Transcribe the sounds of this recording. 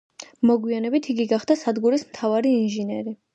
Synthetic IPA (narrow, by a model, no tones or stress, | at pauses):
mɔɡwianɛbit̪ʰiɡiɡaχd̪asad̪ɡuɾismt̪ʰavaɾiːnʒinɛɾi